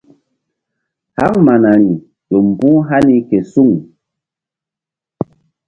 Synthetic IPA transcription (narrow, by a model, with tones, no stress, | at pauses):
ha˦ŋma˨na˨ni˨ | jo˨m̩˨bu˦ɦa˦ni˦kɛ˨su˦˨ŋ